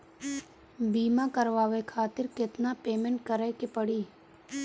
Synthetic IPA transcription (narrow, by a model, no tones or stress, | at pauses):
biːmakəɾʋaːʋekʰaːt̪ɪɾkɪt̪napeːmẽɳʈkəɾɛkepəɽiː